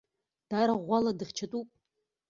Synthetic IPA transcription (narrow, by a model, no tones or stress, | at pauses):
d̥aɾaʁʷaladɨχʲt͡ʃʰatʼupʼ